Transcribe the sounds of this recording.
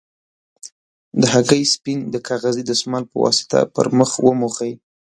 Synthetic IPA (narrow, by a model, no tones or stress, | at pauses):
d̪əɦaɡəjspɪŋd̪əkʰɑɣazid̪əsmɑlpəwɑ̰sɪ̥t̪a̰pə̰ɾməxwəmuxəj